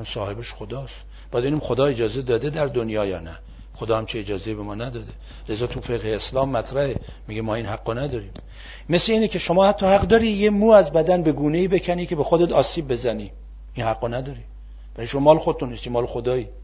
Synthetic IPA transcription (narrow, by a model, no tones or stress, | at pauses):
æmsɒːhe̞beʃxod̪ɒːst̪ | bɒjæd̪bnimxod̪ɒːe̞d͡ʒɒːze̞d̪ɒːd̪ed̪æɾd̪onjɒːjɒ̰ːnæ | χod̪ɒːhæmt͡ʃʰied͡ʒɒːzejibemɒːnæd̪ɒːd̪e | lezɒːt̪ʰufeɣheːslɒːmːæt̪ʰɾæhe | miɡemɒːinhæɡːɔnæd̪ɒːɾiːm | mesleiːnekʰʲe̞ʃomɒːhæt̪ʰːɒːhæɡd̪ɒːɾijemuːæzbæd̪ænbe̞ɡuːne̞iːbe̞cʰænikʲʰe̞bexod̪et̪ʰɒːsiːb̚ːe̞zæni | inhæɡːɔnæd̪ɒːɾi | væɾiʃomɒmɒːlexod̪et̪unːist̪jemɒːlexod̪ɒːi